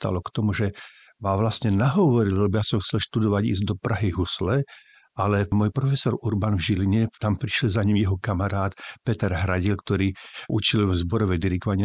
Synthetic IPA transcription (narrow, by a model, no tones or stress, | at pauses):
t̪a̰lɔkt̪ɔmuʒɛ | maʋlasɲɛnaɦɔʋɔɾilɛlɛbɔjasɔmxt͡sɛlʃt̪ud̪ɔʋaɟḭzd̪ɔpɾaɦiɦuslɛ | alɛmɔːjpɾɔfɛsɔɾuɾbanvʒiliɲɛt̪ampɾi̥ʃɛlzaɲimjɛɦɔkamaɾaːt̪pɛt̪ɛɾɦɾaɟilkt̪ɔɾiːʔut͡ʃilzbɔɾɔʋɛd̪iɾikɔʋaɲɪ